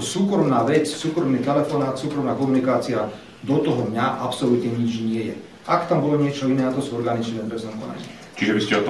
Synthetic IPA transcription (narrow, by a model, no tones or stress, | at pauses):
suːkɾɔmnaːʋɛt͡ssuːkɾɔmniːt̪ɛlɛfɔnaːt̪suːkɾɔmnaːkɔmunikaːt͡sia | d̪ɔt̪ɔɦɔd̪ɲaʔapsɔlit̪ɲɛɲid͡ʒɲɪɛjɛ̰ | ʔakt̪ambɔlɔɲɪɛt͡ʃɔinɛːat̪ɔsuɔɾɡanit͡ʃnɛːpɾɛznamkɔna̰ɲḭ | t͡ʃiʒɛbiscɛɔt̪